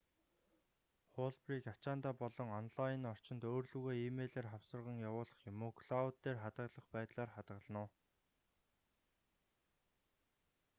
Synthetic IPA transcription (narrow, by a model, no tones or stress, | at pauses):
χoɮpriːkat͡ɕaːnt̪aːpɔɮɞ̆ŋɔnɮajɪ̆nɔr̥t͡ɕɪ̆nt̪oːrɮŭɣeːimeːɮeːrχawsə̆rʁə̆ŋjawʊːɮə̆χjʊmoːkʰɮaut̪ːeːrχat̪ə̆ɮə̆χpæːt̪ɮaːrχat̪ɢə̆ɮnʊː